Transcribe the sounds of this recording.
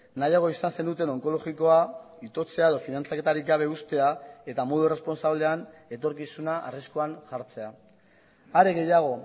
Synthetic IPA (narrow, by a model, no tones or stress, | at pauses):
najaɣ̞o̞isanse̞nd̪ut̪e̞no̞ŋko̞lo̞ɣiko̞a | it̪o̞t͡se̞ae̞ð̞o̞finant͡sake̞t̪aɾikɡaβ̞e̞ust̪e̞ae̞t̪amo̞ð̞uere̞spo̞nsaβle̞ane̞t̪o̞ɾkisunaʔa̰riskoanʝaɾt͡se̞a | aɾe̞ɣe̞jaɣ̞o̞